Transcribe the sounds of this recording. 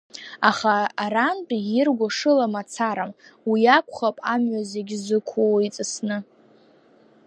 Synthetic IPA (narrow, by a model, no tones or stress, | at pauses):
aχaːɾantʼijɪrɡʷaʂɨlamat͡sʰaɾamwijakʷʰχapʼamɥazeɡʲzɨkʷʰowit͡sʼɨsnɨ